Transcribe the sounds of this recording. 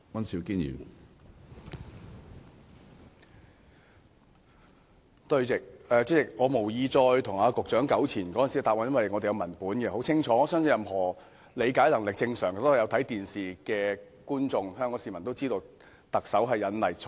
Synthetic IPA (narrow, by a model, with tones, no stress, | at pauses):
wɐ˥nsi˨˧wkiː˥njḭː˨˩ | t̪ɵ˧ɥt͡sɪ˨k̚ɛː˨˧t͡sɪ˥t͡sɪ˨k̚ŋɔː˨˧mo˨˩wjiː˨˧t͡sɔː˧jt̪ʰʊ˨˩ŋaː˧kʊ˨k̚t͡ʃœː˨˥ŋkɐ˨˥wt͡sʰiː˨˩nkɔ˨˥˨nsi˨˥˧t̪aː˨p̚a˨˥jɐ˥nwɐ˨˩jŋɔː˨˧d̪e˨jɐ˨˧wmɐ˨˩npuː˨˥nkɛ˧ho˨˥wt͡sʰɪ˥ŋt͡ʃʰɔː˨˥˨sœː˥ŋsʰjɐ˨mɦɔː˨˩ | le˨˧jkaː˨˥jlɐ˨˩ŋlɪ˨k̚t͡sɪ˧ŋsœː˨˩ŋ˨˩t̪o˥˨˩jɐ˨˧wt̪ʰɐ˨˥jt̪iː˨nsiː˨kɛː˧ | kuː˥nt͡sʊ˧ŋhœː˥ŋkɔː˧˥siː˨˩mɐ˨˩nt̪o˥wt͡siː˥t̪o˧w | t̪ɐ˨k̚sɐ˨˥wɦɐ˨jːɐ˨˧nlɐ˨˩jt͡sʰ